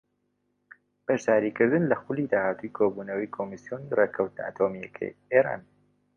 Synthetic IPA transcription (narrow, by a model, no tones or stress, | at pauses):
b̥ɐʒzaːɾiːkɨɾd̪ɨnlɐxʊliːd̪aːhaːt̪ujkʰobuːnɐwikʰomisjonireːkʰɐwt̪nɐ̰ʔa̰t̪ʰomijɐkʰɐ̰jeɾa̰ːn